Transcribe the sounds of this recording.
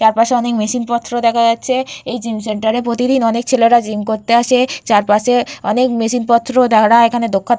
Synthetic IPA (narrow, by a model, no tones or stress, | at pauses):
t͡ɕaɾpaʃeɔnekmeʃinpɔt̪ʰːɾod̪ɛkʰaɡatːɕʰeejd͡ʑims̬eɳʈaɾepɾot̪id̪inɔnek̚t͡ɕʰeleɾad͡ʑimkoɾt̪eaʃet͡ɕaɾpaʃeɔnekmeʃinpɔt̪ːɾod̪ɛkʰɽaekʰaned̪okʰːa